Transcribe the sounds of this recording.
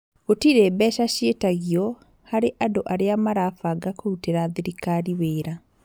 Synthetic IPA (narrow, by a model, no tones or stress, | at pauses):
ɣotiɾebɛʃaɕjetaɣiɔ | haɾeʔadoʔaɾeamaɾafaɡakouteɾaðiɾikaɾiweːɾa